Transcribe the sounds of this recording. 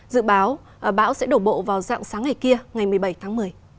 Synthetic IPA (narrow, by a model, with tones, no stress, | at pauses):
zɨ̰˧˨ɓaː˨˦w | ʔə˨˩ɓa̰ː˧˥wsɛ̰˧˥ɗo˨˧˩ŋ͡mɓo̰˧˨vaː˨˩wza̰ː˧˨ŋsaː˨˦ŋːa˨˩jki˧əŋa˨˩jmɨ˨˩əjɓə˧˩jt̪ʰaː˨˦ŋmɨ˨˩əj